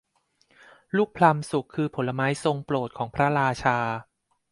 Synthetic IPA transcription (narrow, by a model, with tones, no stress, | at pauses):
luː˥˩k̚pʰla˧msu˨˩kʰːɯː˧pʰo˩˦lːa˧maː˦˥jso˧ŋploː˨˩t̪̚kʰɔː˩˦ŋpʰɾa˦˥ɾaː˧t͡ɕʰaː˧